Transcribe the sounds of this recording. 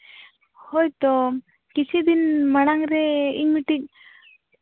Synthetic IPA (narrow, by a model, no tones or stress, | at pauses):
hɔjt̪ɔ | kit͡ʃʰid̪inmaɽ̃aŋɾɛiɲiʈik̚